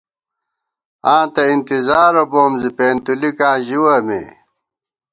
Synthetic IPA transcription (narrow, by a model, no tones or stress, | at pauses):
ãːt̪ɐint̪izaːɾoboːmzipeːnt̪ulikãːʑiwɐmḛ